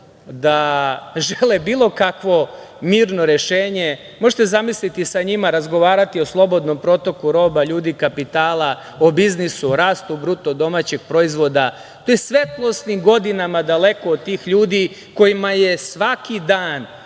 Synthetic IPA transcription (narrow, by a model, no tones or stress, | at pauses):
d̪aʒelebiːlˠo̞kakʋo̞ | miːɾno̞ɾe̞ʃeːɲe̞ | mo̞ʒet̪ezamislit̪isaɲimaɾazɡo̞ʋaːɾat̪ioslˠo̞bo̞d̪no̞mpɾo̞t̪o̞kuɾo̞ːbaʎuːd̪ikapit̪aːlˠa | obiznisuɾaːst̪ubɾut̪od̪o̞mat͡ɕeɡ̚pɾo̞izʋo̞d̪a | t̪oːjesʋe̞t̪lˠo̞st̪nimɡo̞d̪inamad̪ale̞ko̞ːd̪̚t̪ːiːxʎuːd̪i | ko̞jimaje̞sʋakid̪aːn